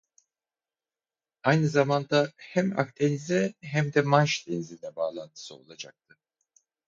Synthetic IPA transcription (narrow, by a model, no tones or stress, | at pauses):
ajnɯzamand̪ahæma̰k̚t̪ʰenizɛɦæmd̪ɛmanʃd̪ɛnzind̪ɛbaːlˠant̪ʰɯ̥sɯo̞̰lˠad͡ʒa̰k̚t̪ʰɯ